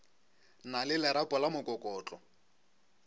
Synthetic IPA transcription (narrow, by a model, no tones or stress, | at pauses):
nalɪlɛɾapʼɔlamʊkʼɔkʼɔːt͡ɬʼɔ